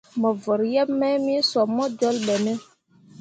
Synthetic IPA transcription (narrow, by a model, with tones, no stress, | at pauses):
mɔ˨vɔ˨ɾjɛ˦mːɛ˦mi˦swɔ˨mːɔ˦d͡ʒɔ˦lɓɛ˨nɛ˦